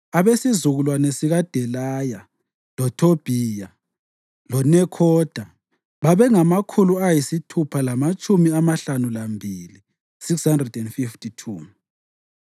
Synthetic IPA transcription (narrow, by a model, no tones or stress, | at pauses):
aβesizuɣulwanesiɣad̥ʱɛlaja | lɔtʰob̥ʱiːja | lɔnɛkʰɔd̥ʱa | βaβɛŋamakʰuluajisitʰupʰalamat͡ʃʼumiamaɬanulambʱili | sikshandrɛdɛndfiftʰitʰuː